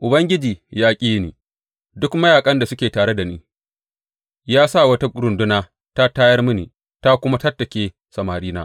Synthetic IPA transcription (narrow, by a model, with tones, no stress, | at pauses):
ʔʊ˨bɐ˦ŋɡʲɪ˦d͡ʒiː˨jaː˦kʲʼiː˦nḭː˨ | dʊ˦kmɐ˦jaː˨kʼɐ˦nda˨sʊ˦kʲeː˨taː˨ɽe˦da˨niː˦ | jaː˦sa˦˨wɐ˦ta˦kʷʼʊ˦ɾʊ˨ndʊ˦naː˦ | ta˦taː˦jɐ˦rmʊ˦niː˨ | ta˦kʷʊ˦ma˦tɐ˦tːɐ˨kʲeː˦ | sɐ˨maː˨ɾiː˦naː˦